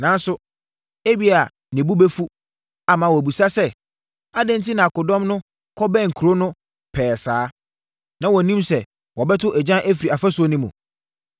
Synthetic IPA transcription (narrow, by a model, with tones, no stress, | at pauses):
nã˨n˦sʊ˦ | e˦bi˦a˨ | nɪ̃˨bu˦bɛ˦fu˦ | a˨mã˨wɔ˨bu˨sa˦sɛ˦ | a˦dɪ̃˦n̩˦tʰɪ˦nã˨a˨kʊ˨dɔ̃˦mnʊ̃˦ | kʰɔ˦bɛ̃˦˨ŋ̩˨kʰu˨ɾo˦nʊ̃˦ | pʰɛː˨saː˨˦ | nã˨wɔ˨nĩ˦msɛ˨ | wɔ˨bɛ˦tʰʊ˦ʔɛ˨d͡ʑã˦ʔæ˦fi˨ɾi˨a˨fa˦sʊ˦ɔ˦nĩ˦mṵ̃˨